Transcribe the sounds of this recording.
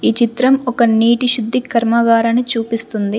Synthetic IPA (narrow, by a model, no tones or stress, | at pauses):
iːt͡ʃit̪ɾɐmɔkɐniːʈiʃud̪ʱːikʰɐɾmɐɡaːɾɐnit͡ʃuːpist̪und̪i